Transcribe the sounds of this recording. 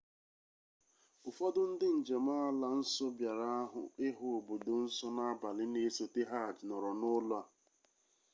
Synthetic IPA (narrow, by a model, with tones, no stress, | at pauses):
ʊ˨fɔ˦dʊ˦n̩˦dɪ˦n̩˨d͡ʒe˨ma˦a˦la˨n̩˦sɔ˦bja˨ɾa˦ɦʊ̰˨ɪ˦ɦʊ˨o˨bo˨do˨n̩˦sɔ˦na˦a˦ba˨lɪ˦ne˦so˨te˦ɦa˦˨d͡ʒnɔ˨ɾɔ˨nʊ˦lʊ˦a˨